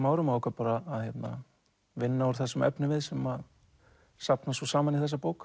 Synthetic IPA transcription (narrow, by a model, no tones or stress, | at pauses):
maːwɾʏmakapaːɾaːðhçjɛt̪na̰ | vɪnːaɔɾ̥θɛsːʏmɛ̰pnʏvɪðsɛma | sapnasɔsaːmaniθɛs̬ːapoːwk